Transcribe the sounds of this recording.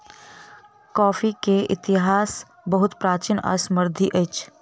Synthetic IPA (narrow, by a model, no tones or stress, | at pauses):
kɔːfʰikeɪ̰t̪ɪɦaːs | bəɦʊt̪pɾaːt͡ʃiːna̰ːsməɾd̪ʱiʔəjt͡ʃʰ